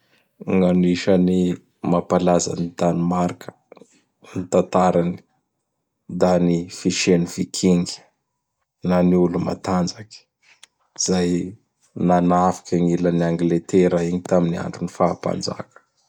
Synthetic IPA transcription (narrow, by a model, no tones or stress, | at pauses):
ŋaniʃəni | mapalaza̰nit̪animaɾikə̥ | nit̪ant̪aɾani̥ | d̪anifiʃenivikʰiŋɡi̥ | naniuluma̰t̪and͡zaki̥ | z̥aj | nanafḁkʲaŋiləniaŋɡlet̪eɾaiɲit̪aminia̰ɳɖ͡ʐunifaɦapa̰nd͡za̰kə̥